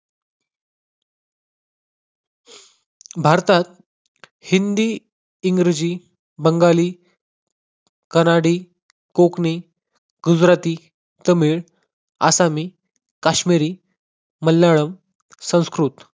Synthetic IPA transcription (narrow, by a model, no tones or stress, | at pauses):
bʱaɾt̪at̪̚ | hind̪iː | ŋɡɾed͡ʑiː | bəŋɡaliː | kənaɽiː | kokni | ɡ̥ud͡zɾat̪iː | t̪əmiːɭ | a̰samiː | kaɕmiɾiː | məlːaɭəm | sə̃w̃skɾut̪